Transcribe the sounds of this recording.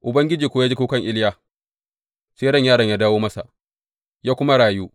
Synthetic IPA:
ʔʊ˨bɐ˦ŋɡʲɪ˦d͡ʒiː˨kʷoː˦jaː˦d͡ʒi˦kuː˦kɐ˦˨ŋʔɪ˦ljaː˦ | seː˦dɔ˦˨ɲjaː˦ɽɐ˨ɲjaː˦daː˦woː˦mɐ˦sa̰˨ʔ | jaː˦kʷʊ˦ma˦ɽaː˨juː˦

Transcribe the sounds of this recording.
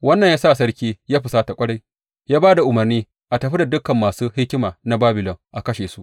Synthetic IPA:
wɐ˦nːɐ˨ɲjaː˦sa˦ʔs̬ɐ˦ɽkʲiː˦jaː˦ɸɪ˨saː˦ta˨kʷʼɐ˦ɽa˦j | jaː˦baː˦da˨ʔʊ˨mɐ˨rniː˦ | ʔa˨tɐ˨ɸi˦da˨dʊ˦kːɐ˨mːaː˨suː˦hɪ˦kʲɪ˦maː˨na˦baː˦bɪ˨lɔ˨ŋʔa˨kɐ˦ʃeː˨su˦ʔ

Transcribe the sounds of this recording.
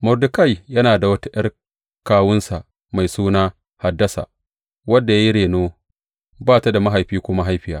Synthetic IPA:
mʊ˨rdʊ˨ka˦˨jjɐ˦naː˨da˨wɐ˦ta˦ʔɐ˦r | kaː˦wʊ˦nsa˨ʔ | ma˨jsuː˦naː˦ | ha˨dːɐ˦sa̰ː˨ | wɐ˦dːa˨jaː˦i˦ɽeː˨noː˦ | baː˦ta˨da˨ma˦ɦa˨jɸiː˦kʷʊ˦ma˦ɦa˦jɸɪ˨jaː˦

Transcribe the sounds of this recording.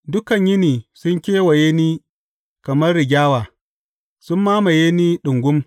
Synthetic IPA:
dʊ˦kɐ˨ɲjɪ˦niː˨sʊ˦ŋkʲeː˦wɐ˨jeː˦niː˦ | kɐ˨mɐ˦rːɪ˨ɡʲaː˦waː˨ | sʊ˦mːaː˦mɐ˨jeː˦niː˦ɗʊ˨ŋɡʷʊ˦m

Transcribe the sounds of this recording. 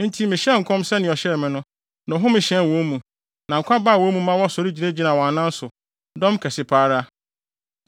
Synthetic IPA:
n̩˦tʰi˦mɪ̃˨ɕɛ̃˦ŋ̩˨kʰɔ̃˦msɛ˦nɪ̃˨ɔ˨ɕɛ˦ɾmɪ̃˦nʊ̃˦ | nʊ̃˨ɦʊ̃˦mɪ̃˨ɕɛ̃˦n˨wɔ̃˦mũ˨ | nã˨ŋ̩˨kʷʰa˦baː˦˨wɔ̃˦mũ˦mã˦wɔ˦sɔ˨ɾi˦d͡ʑi˨nẽ˦d͡ʑi˦nã˨wɔ̃˨a˨nã˦n̩˦sʊ˨ | dɔ̃˦mkʰɛ˨sɪ˨pʰaː˦ɾa˦

